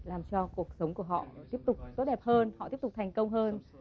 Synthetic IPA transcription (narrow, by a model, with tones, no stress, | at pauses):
laː˨˩mt͡ɕɔ˧ku˨˩ək̚sə˨˦wŋ͡mku˧˩əɦɔ̰˧˨t̪i˦˥əp̚t̪ʊ˨˩k͡p̚t̪o˦˥t̚ɗɛ˨˩p̚həː˧nhɔ̰˧˨ti˦˥əp̚t̪ʊ˨˩k͡p̚t̪ʰjŋ̟kə˧wŋ͡mɦəː˧n